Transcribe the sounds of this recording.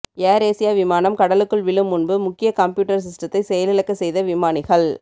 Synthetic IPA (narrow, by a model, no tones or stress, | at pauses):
eːɾeːsɪjaːʋɪmaːnɐmkɐɽɐlɯkːɯɭʋɪɭɯmʊnbɯmʊkːɪjɐkɐmpjuːʈːɐɾs̬ɪsʈɐt̪ːɐɪsɛjɐlɪlɐkːɐsɛjðɐʋɪmaːnɪɣɐɭ